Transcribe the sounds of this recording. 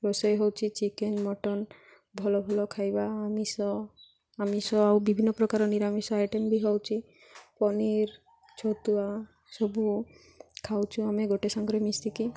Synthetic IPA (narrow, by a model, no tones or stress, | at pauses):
ɾɔsɔjɦɔwt͡ʃʰit͡ʃikenmɔʈɔn | bʱɔlɔbʱɔlɔkʰajbaːmisɔ | amisɔawbibʱinːɔpɾɔkaɾɔniɾamisɔajʈembiɦɔwt͡ʃʰi | pɔniɾ | t͡ʃʰot̪ua | sɔbu | kʰawt͡ʃʰuameɡoʈesɔŋɡɾɔmist̪ʰiki